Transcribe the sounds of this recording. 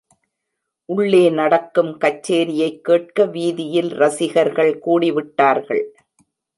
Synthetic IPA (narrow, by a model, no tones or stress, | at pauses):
ʔʊɭːeːnɐɽɐkːɯmkɐt͡ʃːeːɾɪjɐɪkːeːʈ̚kɐʋiːðɪjɪlɾɐsɪɣɐɾɣɐɭkuːɽɪʋɪʈːaːɾɣɐɭ